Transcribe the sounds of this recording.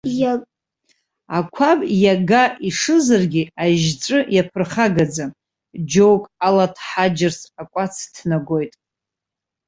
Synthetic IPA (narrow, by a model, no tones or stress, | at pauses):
akʷʰabjaɡaʔiʂɨzarɡʲiaʒt͡sʼɨjapʰɨrχaɡad͡za | d͡ʒowkʼalatʰħad͡ʒɪrsakʷʼat͡sʰtʰnaɡo̞jtʼ